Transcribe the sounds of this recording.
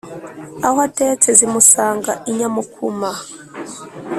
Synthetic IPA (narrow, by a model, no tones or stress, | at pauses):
awatɛt͡sʰɛzimusaːŋɡaiɲamukʰuma